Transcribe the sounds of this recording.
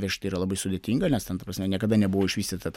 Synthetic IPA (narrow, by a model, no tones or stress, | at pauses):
ʋʲɛʃʲt̪ɐiːɾɐlˠɐbɐɪsʊd̪ʲeɛt̪ʲiːŋɡɐnʲɛst̪ʲɛnt̪ɐpɾɐsʲmʲɛnʲiɛkɐd̪ɐnʲɛbʊʋoːɪʃʲʋʲiːsʲt̪ʲit̪ɐt̪